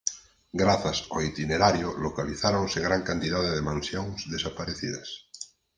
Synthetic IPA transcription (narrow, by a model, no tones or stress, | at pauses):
ɡɾaθasoit̪ineɾaɾjolokaliθaɾõnseŋɡɾaŋkant̪iðaðeðemãnsjoŋsðesapaɾeθiðas